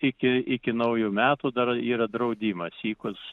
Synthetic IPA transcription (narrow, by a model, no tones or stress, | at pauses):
ɪkʲɪɪkʲɪnɐʊjumʲæːt̪ud̪ɐriːɾɐd̪ɾɐʊd̪ʲiːmɐsiːkʊs